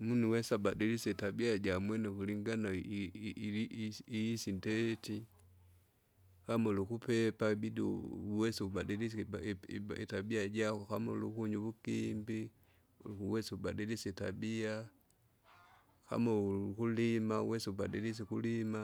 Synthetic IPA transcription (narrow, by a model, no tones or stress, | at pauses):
munuwɛsabadilisɛitabiaɟamwɛnɛkuliŋɡana | iisindɛti | kamɔlukupɛpabidiwɛsɛubadilis | ḭtabiaɟakɔkamɔlṵkuɲuβukimbi | wɛsiubadilisɛita̰bia | ka̰mɔkulima̰wɛsiuba̰dilis̬ɛkulima